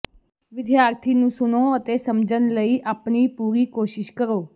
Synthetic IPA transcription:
ʋɪd̪jaːɾt̪ʰiːnũːsʊnoːət̪eːsəmd͡ʒənləiːʔaːpniːpuːɾiːkoːʃɪʃkəɾoː

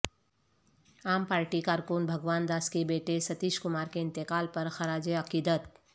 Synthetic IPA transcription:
aːmpaːɾʈikaːɾkunbʱəɡʋaːnd̪aːskebeːʈesət̪iːʃkʊmaːɾkeɪnt̪ekaːlpəɾxəɾaːd͡ʒeəkid̪ət̪

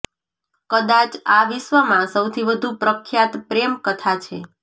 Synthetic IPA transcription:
kəd̪at͡ʃaʋɪʃʋəmãsəwt̪ʰiʋəd̪ʱũpɾəkʰjat̪pɾemkət̪ʰat͡ʃʰe

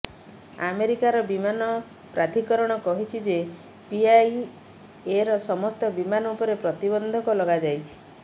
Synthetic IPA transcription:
a̰meɾikaɾɔbimanɔ | pɾʔad̪ʱikɔɾɔɽ̃ɔkɔɦit͡ʃʰid͡ʒe | piaj | eɾɔsɔmɔst̪ɔbimanɔupɔɾepɾɔt̪ibɔnd̪ʱɔkɔlɔɡad͡ʒajt͡ʃʰi̥

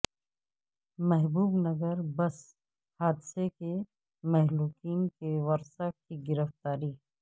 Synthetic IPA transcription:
mɛɦbuːbnɐɡəɾbɐs | haːd̪ɪseke | mɛɦluːkiːnkewɐɾsəkkiɡɪɾəft̪aːɾiː

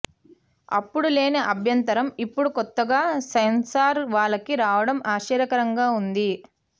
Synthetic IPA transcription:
ɐ̰pːuɽuleːnɐʔɐbʱjɐnt̪ɐɾɐmipːuɽukɔt̪ːɐɡaːsɐjnsaːɾʋaːɭːɐkiɾaːʋɐɽɐmaːʃiːɾɐkɐɾɐŋɡaːund̪i

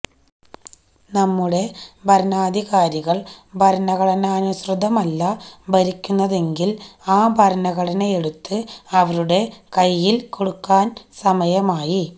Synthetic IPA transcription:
nɐmːuɽe̞bʱɐɾnaːd̪ʱiɣaːɾiɣɐɭbʱɐɾnɐɣɐɽɐnɐːnuɕrɨd̪ʱɐmɐlːɐbɐɾikʲːunːɐðe̞ŋɡilaːbʱɐɾɐnɐɣɐɽɐnɐeɽut̪ːɨɐʋɐɾuɽe̞kɐjːilko̞ɽukːaːnsɐmɐjɐmaːji

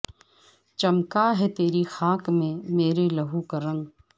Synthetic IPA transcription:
t͡ʃɐmkaɦɛt̪eːɾixaːkmẽmeːɾelɐɦukɐɾə̃ŋɡ

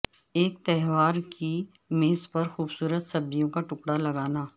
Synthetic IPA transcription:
eːk̚t̪ɛɦʋaːɾki | meːspɐɾxuːbsuːɾət̪sɐbːijõkaʈʊkɽalɐɡaːnaː

